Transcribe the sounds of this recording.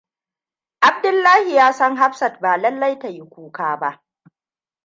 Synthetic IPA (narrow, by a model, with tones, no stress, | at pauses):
ʔa˨b̚dʊ˦lːaː˦hi˨jaː˦sɐ˦ŋɦa˦ɸsɐ˨t̚baː˨lɐ˦lːa˦jta˨ji˦kʷuː˦kaː˦ba˦ʔ